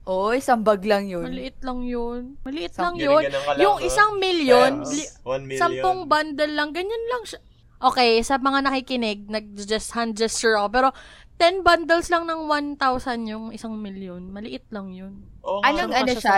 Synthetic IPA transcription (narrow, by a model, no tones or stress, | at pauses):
ʔoʔɪsɐmbɐɡlɐŋjomɐlɪʔɪt̪̚lɐŋjonmɐlɪʔɪt̪̚lɐŋjonjʊŋʔɪsaŋmiljon | sɐmpoŋband̪ɛlːɐŋɡɐɲanlɐŋʃa | ʔo̞ːkɛjsɐmɐŋanɐkikɪnɪɡ̚nɐɡ̚d͡ʒɐst̪hand͡ʒɛst͡ʃɛɹɐkop̬ɛːɾo̞ | t̪ɛnband̪ɛlslɐŋnɐŋwant̪awsɐnjʊŋɪsaŋmiljonmɐlɪʔɪt̪̚lɐŋjonanɐŋɐa